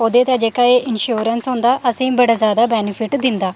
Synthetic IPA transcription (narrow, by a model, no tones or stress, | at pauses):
oːd̪eːt̪ɛ̃d͡ʒeːkaːeːʔɪnʃuːɾənsɦʊ̃ːnd̪aːʔəsẽːbəɽaːzaːd̪aːbɛːnɪpʰɪʈd̪ɪ̃nd̪aː